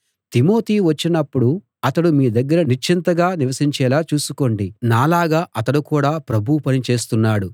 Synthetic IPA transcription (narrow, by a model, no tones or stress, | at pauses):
t̪imo̞ːt̪iːʋɐt͡ʃːinɐpːuɽu | ɐt̪ɐɽumiːd̪ɐɡːɐɾɐnit͡ʃʰint̪ɐɡaːniʋɐsiɲt͡ʃɛːlaːt͡ʃuːsuko̞ɳɖinaːlaːɡaːʔɐt̪ɐɽukuːɽaːpɾɐbʱuwpɐnit͡ʃe̞ːst̪unːaːɽu